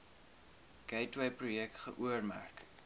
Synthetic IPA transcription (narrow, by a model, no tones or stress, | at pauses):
kɛjtwɛjprujɛk̚tχəʔuərmæ̰rk